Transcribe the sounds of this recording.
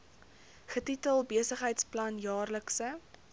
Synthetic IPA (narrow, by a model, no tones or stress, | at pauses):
χətitəlˠbiəsəχɦəjtsplɐnjɑːrləksə